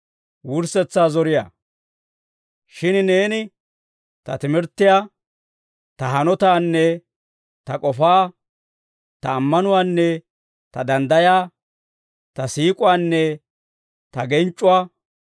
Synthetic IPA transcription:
wʊɾsɛt͡sːaːzɔɾɪja̰ː | ʃɪnne̞ːnɪ | t̪ɐt̪ɪmɪɾt̪ːɪja | t̪ɐɦɐnɔt̪aːnːɛ | t̪ɐkʼɔfaː | t̪ɐːmːɐnʊwaːnːɛ | t̪ɐd̪ɐnd̪ɐjaː | t̪ɐsiːkʼʊaːnːɛ | t̪ɐɡɛnt͡ʃʼːʊwaː

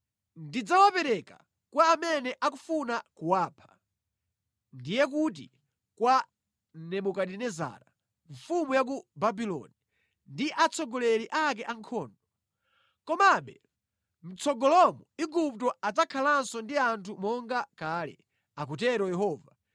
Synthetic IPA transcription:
ndid͡zawapɛɾɛka | kwaːmɛnɛʔakufunakuwaːpʰḁ | ndijɛk̬ut̬ḭ | kwa | nɛmukaɗɛnɛza̰ːɾa | ɱfumujak̬ubabilɔ̰ni | ndiʔat͡sʰɔɡɔlɛɾiʔak̬ɛʔaŋkʰɔːndɔ | kɔmaɓɛ | m̩t͡sɔɡɔlɔmɔiɡup̚tɔatakʰalansɔndiantʰumɔŋɡakaːlɛ̰ | ak̬utɛɾɔjɛɦɔːva

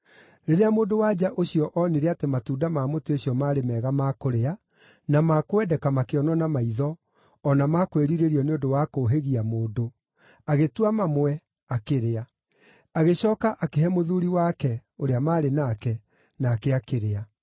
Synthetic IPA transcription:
ɾeɾeamoːdowad͡ʑaʔoɕiɔʔɔneɾeatematuːdamaːmoteoɕiɔmaːɾemɛːɣamakoɾea | namakoɛdɛkamakeɔnɔnamaiðɔː | namakweɾiɾeɾiɔneondowakoɦeɣiamoːdo | aɣetwamamoɛ | akeɾea | aɣeɕɔːkaʔakeɦɛmoðuɾiwaːkɛoɾeamaːɾenakɛ | naːkeakeɾea

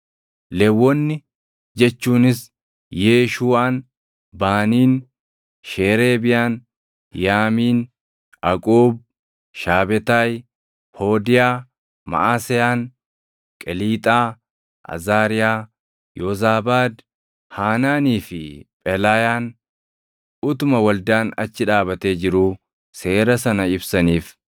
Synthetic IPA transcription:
lɛwːɔnːɪ | d͡ʒɛt͡ʃːuːnɪs | jeːʃuːaːn | baːniːn | ʃeːɾe̞ːbɪjaːn | jaːmiːn | ɐkʼoːb̚ | ʃaːbɛt̪ɐj | ho̞ːd̪ɪjaː | mɐ̰ʔaːsɛjaːn | kʼɛliːt̪ʼaː | ʔɐ̰zaːɾɪjaː | joːzaːbaːd̪ | haːnaːniːfɪpʼɛlaːjaːn | ʊt̪ʊmɐwɐld̪aːnɐt͡ʃːɪᶑaːbɐt̪eːd͡ʒɪɾuː | se̞ːɾɐsɐnɐɪbsɐniːf

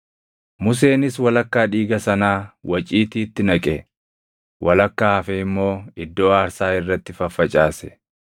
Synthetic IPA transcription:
mʊs̬e̞ːnɪswɐlɐkːaːᶑiːɡɐsɐnaːwɐt͡ʃʼiːt̪iːt̪ːɪnɐkʼɛ | wʔɐlɐkːaːɐfɛɪmːo̞ːɪd̪ːoːaːɾsaːɪrːɐt̪ːɪfɐfːɐt͡ʃʼaːsɛ̥

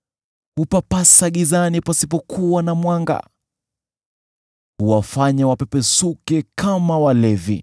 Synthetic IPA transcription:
hupapasaɠizanipasipɔkʰuwanamwaŋɡa̰ | huwafaɲawapɛpɛsukɛkʰamawalɛvḭ

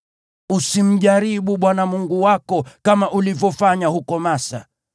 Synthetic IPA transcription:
usim̩ʄaɾiɓuɓwanamuŋɡuwakɔkamaʔulivjɔfaɲahukɔmasa̰

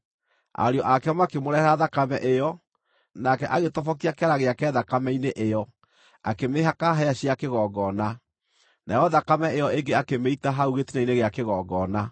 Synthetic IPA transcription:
a̰ɾeɔʔakɛmakemoɾɛɛɾaðakamɛʔejɔ | nakɛʔaɣetɔfɔkiakeaɾaɣeakɛːðakamɛineʔejɔ | akemeːɦakaɦɛaɕiakeɣɔɡɔna | najɔðakamɛejɔeŋɡeakemeitaɦauɣetinaineɣeakeɣɔːɡɔna

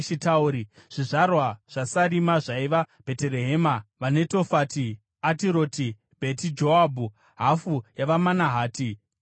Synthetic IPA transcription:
ʃitauɾiʐ̥iʐarwaʐ̥asaɾimaʐaiʋab̥ʱe̞teɾeɦeːmaʋane̞to̞fati | atiɾo̞ːti | bʱe̞tid͡ʒo̞abʱu | ɦafujaʋamanaɦaːti

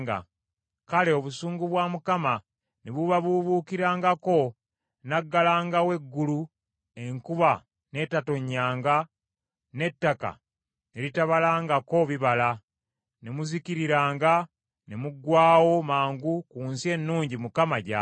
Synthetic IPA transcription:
ɡa̰ | kale̞oβusuːŋɡuβwaːmukama | neβuβaβuβuːkiɾaːŋɡako̞ | naɡːalaːŋɡawe̞ɡːulu | e̞ŋkuβa | ne̞tato̞ɲːaːŋɡa | ne̞tːaka̰ | ne̞ɾitaβalaːŋɡako̞βiβala | ne̞muziciɾiɾaːŋɡa | ne̞muɡwaːwo̞maːŋɡukuːnsie̞nːuːɲɟimukamaɟa

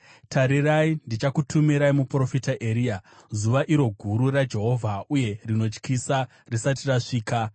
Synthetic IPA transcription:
tʰaɾiraindit͡ʃakutʰumiɾaimupro̞fitaʔeɾija | zuʋaʔiɾo̞ɡʱuɾurad͡ʒe̞ɦo̞vʱauje̞rino̞t͡ʃkisa | risatiraʂiːka

